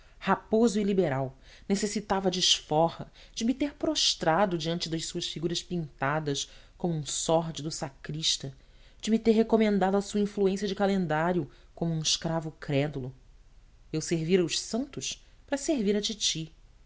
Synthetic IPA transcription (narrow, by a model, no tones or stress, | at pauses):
hapozʊilibeɾaw | nesesit̪avɐd͡ʒɪʃfɔhɐ | d͡ʒɪmɪt̪eɾpɾoʃt̪ɾad̪ʊd͡ʒiɐ̃nt͡ʃɪd̪ɐʃsuɐʃfiɡuɾɐʃpĩnt̪ad̪ɐʃkõmʊũsɔɾd͡ʒɪd̪ʊsakɾiʃt̪ɐ | d͡ʒɪmɪt̪eɾɦekomẽnd̪ad̪ʊɐsuɐĩfluẽsijɐd͡ʒɪkalẽnd̪aɾjʊkõmʊũiʃkɾavʊkɾɛd̪ulʊ | ewseɾviɾɐʊʃsɐ̃nt̪ʊʃ | pɾɐseɾviɾɐt͡ʃit͡ʃi